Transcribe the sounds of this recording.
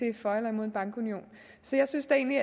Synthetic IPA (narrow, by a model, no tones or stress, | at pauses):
e̝fɒelɐimo̝̰enb̥ɑ̈ŋɡ̥unio̝̰ːn | sɒ̽jɑ̈ɪsynsd̥æe̝̰ːnliæ